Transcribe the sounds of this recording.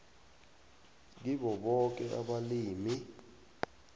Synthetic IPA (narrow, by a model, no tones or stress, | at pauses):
k̬iɓɔɓɔk̬ɛʔa̰ɓaliːmi